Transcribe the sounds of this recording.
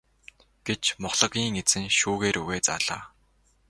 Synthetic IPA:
ɡ̥et͡ɕmʊχɮə̆ɣʲiːŋet͡sɘ̆ŋʃuːɣeːɾuɣeːt͡saːɮaː

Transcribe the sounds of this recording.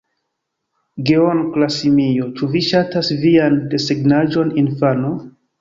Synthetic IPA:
ɡeonklasimijo̞t͡ʃuviʃatasviande̞seɡnaʒo̞ninfano

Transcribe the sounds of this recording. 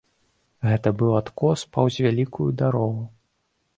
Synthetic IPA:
ɣɛt̪ɐbɨwat̪kɔspɐwzʲvʲalʲikʰujud̪aɾɔɣu

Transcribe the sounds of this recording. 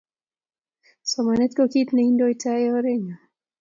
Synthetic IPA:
sɔmanɛt̪kɔkitnaindɔitʰaɛɔɾɛɲa

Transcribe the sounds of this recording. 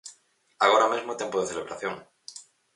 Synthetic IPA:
aɣ̞oɾamezmot̪jempoðeθeleβ̞ɾaθjoŋ

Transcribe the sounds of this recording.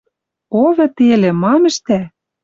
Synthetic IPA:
oβɤ̆t̪elĕmɑmɘ̆ʃt̪æ

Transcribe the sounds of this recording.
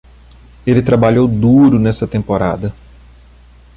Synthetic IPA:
elɪt̪ɾabaʎowd̪uɾʊnɛsɐt̪ẽmpoɾa̰d̪ɐ

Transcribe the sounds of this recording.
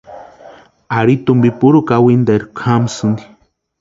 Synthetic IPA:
aɾit̪umbipuɾukawind̪aɾkʷʰamsɨnd̪i

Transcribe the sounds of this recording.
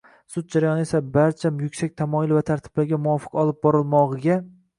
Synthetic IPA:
sʊd̪̚d͡ʒaɾajɒnɪe̞sabaɾt͡ʃʰamjʊkʲsak̚ʲt̪ʰamɒjɪlˠvat̪ʰaɾt̪ʰɪ̥b̥laɾɡʲamʊwɒfɨ̥qɒlˠɪp̚bɒɾɪlˠmɒʁɨɡʲa

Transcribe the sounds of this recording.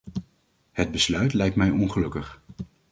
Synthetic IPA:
həd̚bəslœɥtlɛjk̚tmɛjɔnχəlɵkəχ

